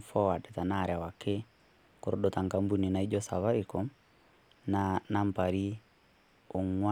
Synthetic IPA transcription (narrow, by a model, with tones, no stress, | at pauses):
fɔ˦wa˨dɛ˨ta˨naː˨ɾja˨wake˦ | ko˨ɾo˦ɗota˨ŋɡa˦mbuni˨na˨i˦d͡ʒɔsa˨βa˦ɾikɔ | nna˦mpaɾi˦ | o˨ŋwa